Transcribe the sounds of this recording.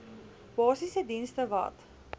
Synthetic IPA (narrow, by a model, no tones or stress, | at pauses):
b̥ɑːsisədinstəvɐ̰t